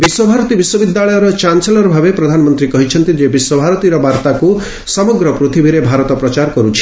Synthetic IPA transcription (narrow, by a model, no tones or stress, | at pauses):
biswɔbʱaɾɔt̪ibiswɔbid̪ːaɭɔjɔɾɔt͡ʃanselɔɾɔbʱabepɾɔd̪ʱanɔmɔnt̪ɾikɔɦit͡ʃʰɔnt̪id͡ʒebiswɔbʱaɾɔt̪iɾɔbaɾt̪aku | sɔmɔɡɾɔpɾut̪ʰibʱiɾebʱaɾɔt̪ɔpɾɔt͡ʃaɾkɔɾut͡ʃʰi̥